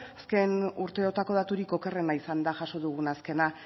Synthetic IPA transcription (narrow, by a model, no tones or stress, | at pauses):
aske̞nuɾt̪e̞o̞t̪ako̞ð̞at̪uɾiko̞ke̞re̞naisand̪aʝaʃo̞ðuɣunaske̞na